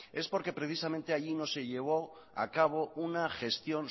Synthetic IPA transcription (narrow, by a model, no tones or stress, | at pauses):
e̞spo̞ɾke̞pɾe̞θisamẽnt̪e̞aʎino̞se̞ʎe̞β̞o̞ | a̰kaβ̞o̞unaxe̞st̪jo̞n